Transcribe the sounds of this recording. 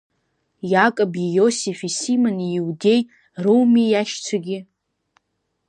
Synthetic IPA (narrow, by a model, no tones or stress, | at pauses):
jakʼabijosifisimaniiwde̞j | rowmijaʃt͡sʷʰaɡʲɪ